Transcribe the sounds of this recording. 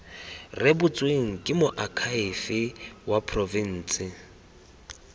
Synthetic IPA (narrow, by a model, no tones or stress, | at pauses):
rɪbʊt͡sʼweŋ̩kʼɪmʊʔakʰaɪfɪwapʰrɔvin̩ːsɪ